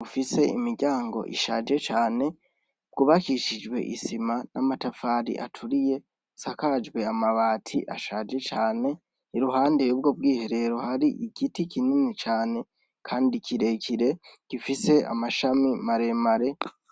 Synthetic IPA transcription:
ufise̞imiɾɟaːŋɡo̞̰ʔḭʃad͡ʒe̞t͡ʃaːne̞ | b̥̚ɡuβakiʃid͡ʒwe̞̰ʔḭsimanamatafaːɾḭʔa̰tʰuɾije̞ | sakaːd͡ʒɡwe̞amaβaːtʰḭʔa̰ʃad͡ʒe̞t͡ʃaːne̞ | iɾuɦaːndeɾubɡo̞b̚ɡiːhe̞ɾe̞ɾohaɾiʔiɡitikininit͡ʃaːne̞ | kʰaːndikʰiɾe̞kʰiɾe̞ɡ̥ifise̞a̰maʃamimaɾe̞maɾe̞

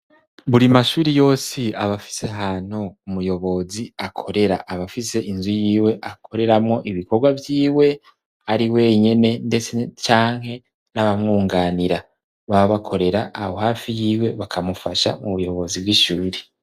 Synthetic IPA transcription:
βuɾimaʃuːɾijo̞ːsiaβafi̥se̞ɦan̥houmujo̞βo̞ziakʰo̞ɾe̞ɾaʔaβafise̞ʔinzujiːwe̞ʔakʰo̞ɾe̞ɾamŋo̞ʔiβiko̞ɾɡwavjiːwe̞ | aɾiwe̞ɲe̞ne̞ndet͡set͡ʃaːŋhe̞ | naβamŋuːŋɡaːniɾa | βaβaβakʰo̞ɾe̞ɾaʔːho̞haːfijiːwe̞βakʰamufaʃa̰muβujo̞βo̞zib̚ɡiʃuːɾe

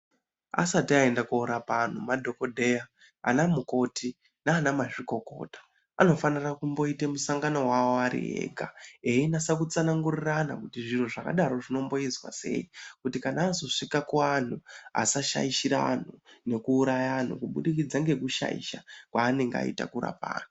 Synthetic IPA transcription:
a̰satiaendakuːɾapan̤umadʱo̞ko̞dʱe̞ja | a̰namuko̞tʰi | naːnamaʐiko̞ko̞̰ːtḁ | ano̞fanirakumbo̞itemusaŋɡano̞ɦwaoaɾḭɦḛːɡʱa̰einasakut͡sanaŋɡurirana̰kutiʐin̤uʐaka̰ɗaɾo̞ʐino̞mbo̞izwa̰se̞̰ikutikanaːzo̞ʂikakuan̤ua̰saʃa̰iʃiɾan̤une̞kuːɾajan̤ṵkuɓuɗik̬id͡zaŋɡe̞kuʃa̰ḭʃa̰kwaːne̞ŋɡea̰ḭta̰kuɾa̰pa̰ːn̤u

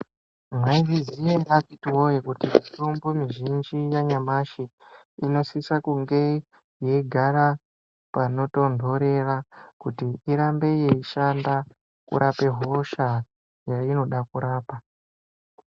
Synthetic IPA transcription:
mwaivizijarapitiwojikutimitumbumiʒind͡ʒijaɲamaʃi | ino̞sisakuŋɡe̞ | je̞ɡʱaɾa | pano̞to̞ndʱo̞ɾe̞rakutiiɾambe̞jeiʃanda | kṵɾape̞ɦo̞ʃa | jaino̞ɗakuɾaːpa

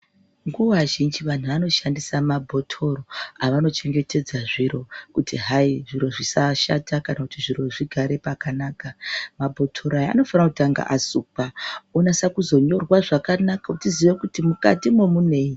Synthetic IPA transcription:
ŋɡuʋaʒind͡ʒiʋan̤uʋano̞ʃandisamabʱo̞tʰo̞ɾo̞aʋano̞t͡ʃe̞ŋɡe̞te̞d͡zaʐiɾo̞kutiɦaiʐiɾo̞ʐisaʃatʰakanakutiʐiro̞ʐiɡʱaɾe̞pakanaːkamabʱo̞tʰo̞ɾajaa̰no̞fanakutaŋɡa̰ʔasupaonasakuzo̞ɲo̞rwaʐakanakautiziʋe̞kutimuka̰timo̞mune̞ːi

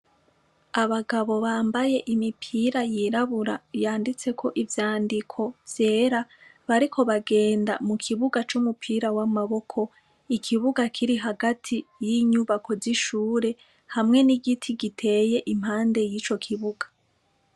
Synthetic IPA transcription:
aβaɡaβo̞βaːmbaje̞ʔimipʰiːɾajiɾaβuɾajaːndit͡se̞kʰo̞ʔivjaːndikʰo̞v̥je̞ːɾaβaɾikʰo̞βaɡe̞ːnda̰mukʰiβuɡat͡ʃumupʰiːɾawamaβo̞kʰo̞ | ikʰiβuɡakʰiɾiɦaɡatʰijiɲuβako̞ziʃuːɾe̞ | hamŋe̞niɡitʰiɡitʰe̞je̞ʔim̥ɦaːnde̞jiːt͡ʃo̞kʰiβuɡḁ

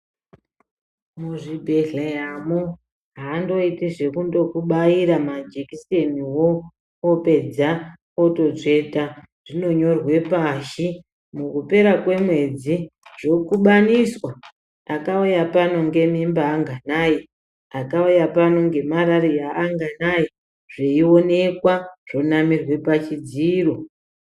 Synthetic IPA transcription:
muʐibʱeɮeɦamu | ɦaːndo̞itiʐe̞kundo̞kuɓajiɾamad͡ʒekiseniwoː | pe̞d͡za | oto̞ʐe̞ta | ʐ̥ino̞ɲo̞rwe̞paʃi | mukupe̞ɾakwe̞mwe̞d͡ziʐo̞kuɓaniswa | akaujapano̞ŋɡe̞mimbaːŋɡanai | akaujapano̞ŋɡe̞maɾaɾijaːŋɡanaji | ʐeio̞ne̞kwaʐ̥o̞namirwe̞pat͡ʃid͡ziːro̞

